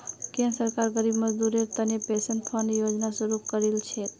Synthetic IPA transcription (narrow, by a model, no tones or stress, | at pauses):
kẽnsəɾkaɾɡəɾibməd͡ʒd̪uɾeɾt̪ənepesənpʰənjod͡ʒnasəɾukəɾelt͡ʃʰɛt̪